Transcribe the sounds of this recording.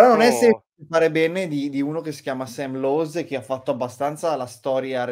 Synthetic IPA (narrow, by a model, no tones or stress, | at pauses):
ɾɔnonɛsːɛmpliit͡ʃefaːɾebɛːned̪id̪iuːnokesːi̥kʲjaːmasɛmlozek̟ːeafːat̪ːoabːast̪ant̪salast̪ɔːɾja